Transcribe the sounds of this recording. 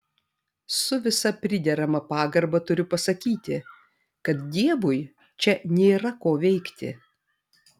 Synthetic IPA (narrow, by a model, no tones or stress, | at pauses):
sʊʋʲɪsɐpʲɾʲɪd̪ʲɛɾɐmɐpɑːɡɐɾbɐt̪ʊɾʲʊpɐsɐkʲiːt̪ʲɪ | kɐt̪̚d̪ʲiɛʋʊj | t͡ʃʲɛnʲeːɾɐkoːʋʲɛɪkt̪ʲɪ̰